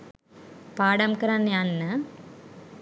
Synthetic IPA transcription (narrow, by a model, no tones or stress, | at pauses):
paːɽamkɐɾanjanːə